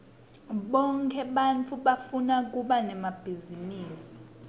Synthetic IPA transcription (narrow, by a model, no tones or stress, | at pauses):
ɓɔŋkʰɛɓant͡fʰuɓafunak̬uɓanɛmab̥ʱiziniːsi̥